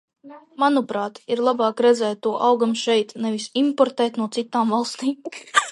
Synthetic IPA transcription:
manupɾaːt̪iɾlˠabɑːkɾɛd̪zɛːt̪t̪ːuɔʔawɡamʃɛjt̪nɛvisimpɔɾt̪ɛːt̪nuɔt̪sit̪aːmvaɑlˠst̪iːm

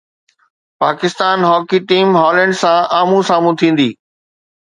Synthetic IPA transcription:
paːkɪst̪aːnɦɔːkiʈiːmɦɔːlə̃ɳɖsãaːmũsaːmũt̪ʰĩːn̆d̪iː

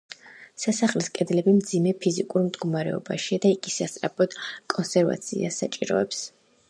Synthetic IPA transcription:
sasaχliskʼɛd̪lɛbimd̪zimɛpʰizikʼuɾmd̪ɡɔmaɾɛ̰ɔba̰ʃiad̪aiɡisast̪ʼɾapʰɔd̪̥kʼɔnsɛɾva̰t̪sʰḭa̰sat͡ʃʼiɾɔ̰ɛps

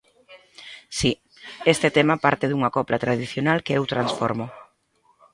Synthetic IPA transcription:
si | est̪et̪emapaɾt̪ɪðuŋakɔplat̪ɾaðiθjonalkeewt̪ɾansfɔɾmʊ

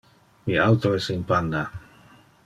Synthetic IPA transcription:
miawt̪oesinpand̪a

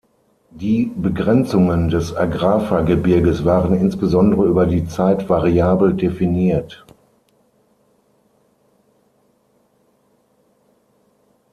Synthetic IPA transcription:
d̥iːbəɡʁɛnt͡sʊŋəndɛsaɡʁaːfaɐɡəbɪɐɡəsv̥aːʁənɪnsb̥əzɔndəʁəyːbɐdiːt͡saɪtv̥aʁiaːbl̩definiːɐt

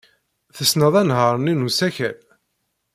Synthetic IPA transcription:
θəsnəðˤænɦəɾˤninusæçæ̰l

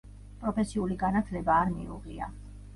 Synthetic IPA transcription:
pʼɾɔpʰɛsiuliɡanat̪ʰlɛbaːɾmḭuʁia̰

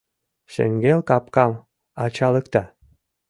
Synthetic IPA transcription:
ʃḛŋɡelkɑp̚kɑm | ɑt͡ɕɑləkt̪ɑ

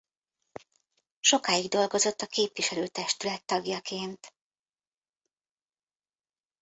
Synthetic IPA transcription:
ʃo̞kaːjiɡd̪o̞lɡo̞zo̞t̪ːɒkeːpʋiʃɛløːt̪ɛʃt̪ylɛt̪ːɒɡjɒkeːnt̪

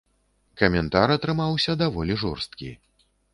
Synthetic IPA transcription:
kɐmʲɛnt̪aɾɐt̪ɾɨmawsʲɐd̪avɔlʲiʐɔrst̪̚kʲḭ

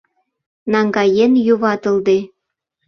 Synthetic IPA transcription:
nɑŋɡɑjenjuβɑt̪ɤ̆ld̪e

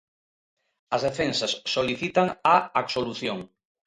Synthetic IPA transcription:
ɐzðefensɐsːoliθit̪aŋaaksoluθjoŋ

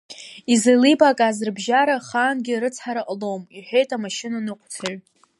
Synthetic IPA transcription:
izelibʼakʼazɨrbʒaɾaχaːnɡʲɪɾɨt͡sʰħaɾaʔʼlomiħʷe̞jtʼamaʃɪnanɨqʷʰt͡sʰaɥ

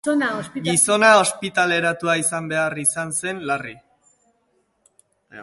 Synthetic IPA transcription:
aosɡiso̞naospit̪ale̞ɾat̪uaisambe̞arisanse̞nlari

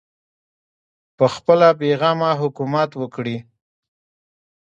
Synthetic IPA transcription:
pəxpəlap̬eɣɑmaɦʊkumat̪wəkɽi

